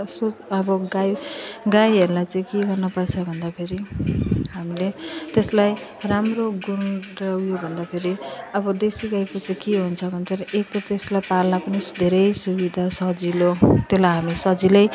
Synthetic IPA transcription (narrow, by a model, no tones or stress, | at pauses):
soʌbʌɡajɡajɦeɾulajt͡saj̃keɡʌrnʌpʌt͡sʰʌbʱʌnd̪apʰeɾiɦamilet̪eslaj | ramroɡunrʌwjobʱʌnd̪apʰeɾiʌbʌd̪esiɡajkot͡sʌĩkeɦunt͡sʰʌbʱʌnt̪ʌɾʌʔek̚t̪ʌt̪eslajpalnapʌnisd̪ʱeɾʌjsubid̪ʱasʌd͡zilot̪elajɦamisʌd͡zilʌj